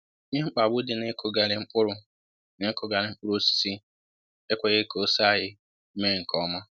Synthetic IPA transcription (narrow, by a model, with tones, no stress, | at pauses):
ɲe˦ŋ͡m̩˦k͡pa˨bʊ˦dɪ˨ne˦kʰo˨ɡa˨ɾɪ˨ŋ͡m̩˦k͡pʊ˦ɾʊ˨ | ne˦ko˨ɡa˨ɾɪ˨ŋ͡m̩˦k͡pʊ˦ɾo˦si̥˨˦si˦ | e˦kʷe˨ɣe˦ko˦sa˦ɦɪ˦ | me˦ɾe˨ŋ̩˨kʰɔ˦ma˦